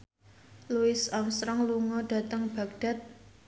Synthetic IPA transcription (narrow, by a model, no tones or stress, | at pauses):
luɪsɔmsɾɔŋluŋɔɖ̥a̤t̪əŋb̥a̤kɖ̥a̤t̪̚